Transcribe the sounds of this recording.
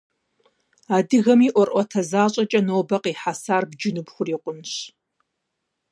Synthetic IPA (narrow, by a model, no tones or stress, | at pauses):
aːdɨɣɐmiːʔʷɔrʔʷɔtʰɐzaːɕʼɐt͡ʃʼɐnoːbɐqiːħasaːrbd͡ʒɪnɨbxʷʊriːqʷʊnɕ